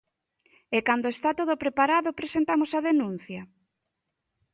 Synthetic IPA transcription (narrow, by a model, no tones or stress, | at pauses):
ekand̪oest̪at̪oð̞opɾepaɾaðopɾesent̪amosaðenũn̟θjɐ